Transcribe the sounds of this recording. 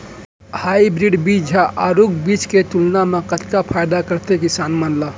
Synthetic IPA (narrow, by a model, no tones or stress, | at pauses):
hajbɾiɖbit͡ʃd͡ʒʱaʔaɾukbit͡ʃket̪ulnamekət̪kapʰajd̪akəɾt̪ekisanmənla